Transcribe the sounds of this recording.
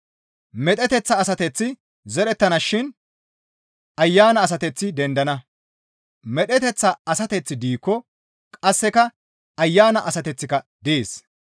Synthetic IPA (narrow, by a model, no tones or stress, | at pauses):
mɛt̪ʼɛt̪ɛt͡sːɐːsɐt̪ɛt͡sːɪ | zɛɾɛt̪ːɐnɐʃɪn | ɐjːaːnɐːs̬ɐt̪ɛt͡sːɪd̪ɛnd̪ɐnɐ | mɛɗɛt̪ɛt͡sːɐɐsɐt̪ɛt͡sːɪd̪iːkːɔ | kʼɐsːɛkɐ | ɐjːaːnɐʔɐsɐt̪ɛt͡sːɪkɐd̪ɪeːs